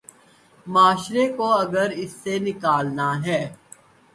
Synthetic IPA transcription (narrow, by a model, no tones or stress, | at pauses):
maːʃɾekoɐɡəɾɪsːenɪkaːlnaɦɛː